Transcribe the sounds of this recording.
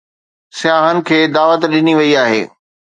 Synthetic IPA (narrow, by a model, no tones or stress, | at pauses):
sɪjaːɦənɪ̆kʰeːd̪aːʋət̪ɗɪniʋɐiaːɦḛː